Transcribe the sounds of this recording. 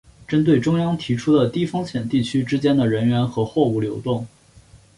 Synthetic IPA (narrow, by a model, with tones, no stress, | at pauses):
ʈ͡ʂə˥nt̪we˥˩ɪʈ͡ʂʊ˥ŋjɑ˥ŋt̪ʰi˧˥ʈ͡ʂʰu˥d̪ə˨t̪i˥˩fɤ˥ŋɕjɛ˨˩nt̪i˥˩t͡ɕʰy˥ʈ͡ʂɻ̩˥t͡ɕjɛ˥nd̪ə˨ɻə˧˥nɥɛ˧˥nxɤ˧˥xwɔ˥˧u˥˩ljo˧˥ʊt̪ʊ˥˩ŋ